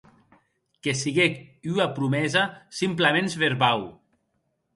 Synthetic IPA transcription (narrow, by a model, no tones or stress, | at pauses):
kesiɣekyapɾumɛzasimplamenzβeɾβaw